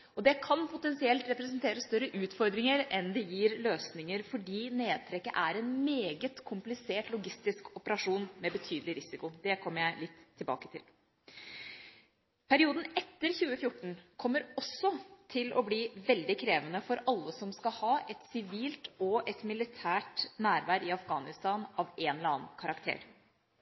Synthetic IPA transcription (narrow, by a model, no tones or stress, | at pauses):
ɔd̪ɛkʰɑnpʰʊt̪ɛnsɪɛlt̪ɾɛpɾɛsənt̪ʰeːɾəst̪œɾːəʔʉːt̪fɔɾd̪ɾɪŋəɾɛnd̪ɛjiːɾløːsnɪŋəɾfɔɖiːneːd̪̚t̪ʰɾɛkːəʔæɾɛnmeːɡət̪kʰʊmplɪseːʈlʊɡɪst̪ɪskɔpəɾɑʂuːnmɛbət̪ʰyːd̪əlɪɾɪsɪkʊd̪ɛkʰɔmːəɾjæɪlɪt̪ʰːɪlbɑ̰ːkə̥t̪ʰɪ̰l | pʰæɾɪuːd̪n̩ɛt̪ːəɾçʉːəfjʊʈːɳ̩kʰɔmːəɾɔsːɔt̪ʰɪlʔɔ̰bliːʋɛld̪ɪkʰɾeːʋənəfɔɾɑlːəsɔmskɑhɑːʔɛt̪sɪʋiːlt̪ɔʔɛt̪mɪlɪt̪ʰæːʈnæːɾʋæːɾɪɑfɡɑːnɪst̪ɑːnɑʋeːnlɑːnkʰɑɾɑkt̪ʰḛːɾ